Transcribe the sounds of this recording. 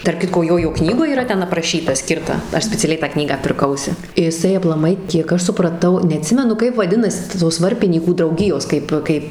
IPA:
tɐrp ˈkʲɪtkoː ˈjoːjoː ˈknʲiːɡoːj iːˈrɐ ˈtʲɛn ɐprɐˈʃʲiːtɐ ˈsʲkʲɪrtɐ ˈɐʃ sʲpʲɛt͡sʲɛˈlʲɛɪ tɑː ˈknʲiːɡɑː pʲɪrˈkɐʊsʲɪ ɪˈsɐɪ ɐplˠɐˈmɐɪ kʲiɛk ˈɐʃ sʊprɐˈtɐʊ nʲɛɐˈtʲsʲɪmʲɛnʊ ˈkɐɪp ʋɐˈdʲɪnɐsʲɪ tɐ ˈtoːs ˈʋɐrʲpʲɪnʲiːkuː drɐʊˈɡʲɪjoːs ˈkɐɪp ˈkɐɪp

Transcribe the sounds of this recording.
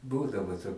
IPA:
ˈbuːdɐʋoː toː

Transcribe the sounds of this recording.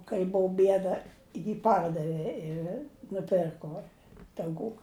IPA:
kɐɪ ˈbʊʊ ˈbʲiɛdɐ jɪ ˈpɐrdɐʋʲɪ ɪ nʊˈpʲɪrkoː tɐʊˈkuː

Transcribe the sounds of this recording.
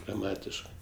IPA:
ɡrɐˈmɑːtʲɪʃkɜ

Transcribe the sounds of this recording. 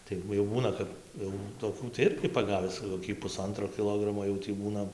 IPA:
ˈtɐɪ ʋɐ jɛʊ ˈbuːnɐ kɐp jɛʊ toːˈkʲuː t͡sʲɛ ˈɪrʲɡʲɪ pɐˈɡɑːʋʲɪs koːˈkʲiː pʊˈsɐntroː kʲɪˈlˠoːɡrɐmoː jɛʊ tʲiː ˈbuːnɐ

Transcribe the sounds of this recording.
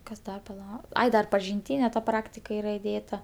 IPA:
ˈkɐs ˈdɐr pɐˈlˠɐ ˈɐɪ dɐr pɐʒʲɪnʲˈtʲiːnʲɛ ˈprɑːktʲɪkɐ ˈiːrɐ ɪˈdʲeːtɐ

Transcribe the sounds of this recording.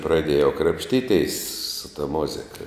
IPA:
prɐˈdʲeːjɛʊ krɐpʲʃʲˈtʲiːˌtʲeːs sʊ tɐ ˈmʊzʲɪkɐ

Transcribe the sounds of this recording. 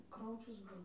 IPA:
ˈkrɐʊt͡ʃʲʊs ˈbʊʋoː

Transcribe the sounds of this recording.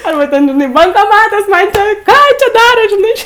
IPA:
ˈɐrbɐ ˈtʲɛn ʒʲɪˈnɐɪ bɐŋkoːˈmɑːtɐs ˈmɐn ˈt͡ʃʲɛ ˈkɑː ˈt͡ʃʲɛ ˈdɑːroːt ʒʲɪˈnɐɪ

